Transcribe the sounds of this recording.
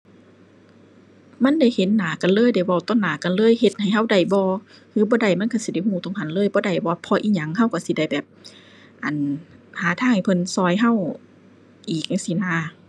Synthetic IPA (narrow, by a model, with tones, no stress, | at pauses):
ma˧˥˨nda˧˩jhe˨˦nːaː˨˦ka˨nlɤː˧˥˨jda˧˩jwa˧˩wt̪ɔ˧˥˨nːaː˨˦ka˧˨nlɤː˧˥˨jhe˧t̪̚ha˨˩jɦa˧˥˨wda˨˩jbɔː˧ | hɯː˧˦bɔː˧˦da˧˩jma˧˥˨nkʰa˧˩si˧˦da˧˩jhuː˧˩t̪ɔ˧˨ŋha˧˨nlɤː˧˥˨jbɔː˧˦da˨˩jbɔː˧˦pʰɔː˧ʔiː˧˥ɲa˧˦ŋha˧˥˨wka˧˩si˧˦da˧˩jbɛː˨˩p̚ | ʔa˨˩nhaː˨˦t̪ʰaː˧˥ŋha˨˩jpʰɤ˧˨nsɔː˧˩˨jɦa˧˥˨w | ʔiː˨˩k̚a˧˩si˧˦naː˧˦